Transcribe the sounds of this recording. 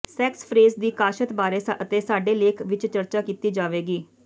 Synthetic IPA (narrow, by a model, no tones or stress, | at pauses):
sɛːkspʰɾeːzd̪iːkaːʃət̪baːɾeːət̪eːsaːɖeːleːkʰʋɪt͡ʃt͡ʃəɾt͡ʃaːkiːt̪iːd͡ʒaːʋeːɡiː